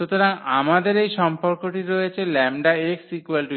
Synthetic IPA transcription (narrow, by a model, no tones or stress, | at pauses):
ʃut̪oɾaŋamad̪eɾejʃɔmpoɾkoʈiɾojet͡ɕʰelɛmɖaeksikualʈi